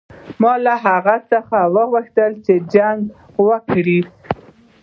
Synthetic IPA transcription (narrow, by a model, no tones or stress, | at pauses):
mɑlaɦaɣat͡səxawəɣwəxt̪əlt͡ʃed͡ʒaŋɡ | wəkɽi